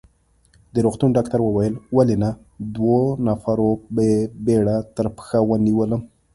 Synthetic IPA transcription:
d̪əɾoɣt̪unɖɑkt̪aɾwəwajəlwalena | d̪wonafaɾobebeɽat̪əɾpə̥xawəniwələm

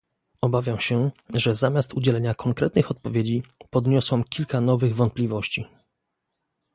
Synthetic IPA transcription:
ɔbavʲjamɕɛʐɛzamʲjast̪ud͡ʑɛlɛɲakʰɔŋkɾɛt̪̚nɘxɔt̪̚pɔvʲjed͡ʑipɔd̪ɲɔswamkʲilkanɔvɘɣvɔnt̪̚plʲivɔɕt͡ɕi

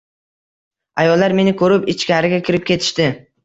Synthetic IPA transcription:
ajɒlˠːaɾme̞nɪkʰɵɾɪpɪt͡ʃkʲʰaɾɪɡʲakʲʰɪɾɪp̚kʲʰe̞t̪ʰɪ̥ʃt̪ɪ

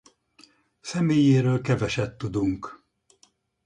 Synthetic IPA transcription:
sɛmeːjeːɾøːlkɛvɛʃɛt̪ːud̪uŋk

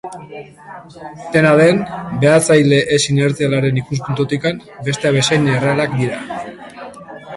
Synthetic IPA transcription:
t̪e̞naðe̞nbe̞at͡sajle̞ʔesine̞ɾt͡sialaɾe̞nikus̬punt̪ut̪ikambe̞st̪e̞aβe̞sajnerealak̚d̪iɾa

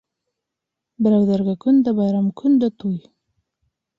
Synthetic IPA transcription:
bɾawd̪aɾɡakund̪əbajɾamkʰund̪ət̪uj

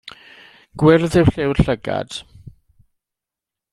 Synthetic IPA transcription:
ɡ̥wɪrðɪwɬɪwrɬəɡa̰d̥

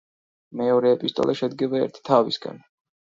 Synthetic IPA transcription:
mɛɔɾɛːpʼist̪ʼɔ̰lʔaʃɛd̪ɡɛbaɛ̰ɾt̪ʰi̥t̪ʰavisɡa̰n

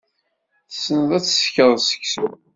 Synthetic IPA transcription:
θsːənəðˤæt͡sːsçəðˤsə̥çsu

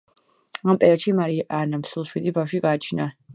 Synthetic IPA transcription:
ampʼɛɾaʃimaɾiʔanamsulˠʃwid̪ibafʃiɡaːt͡ʃʰna

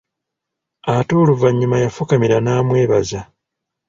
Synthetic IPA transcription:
atuːluvaɲːumajafukamiɾanaːmwe̞ːβaza

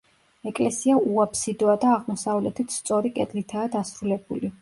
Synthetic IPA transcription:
ɛkʼlɛsiauapʰsid̪ɔad̪aːʁmɔsavlɛt̪ʰit̪st̪sʼɔɾikʼɛd̪lit̪ʰaːd̪asɾulɛbuli

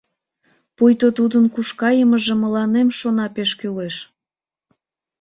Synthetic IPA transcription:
pujt̪ot̪ud̪ənkuʃkɑjəməʒeməlɑnemʃonɑpeʃkyleʃ

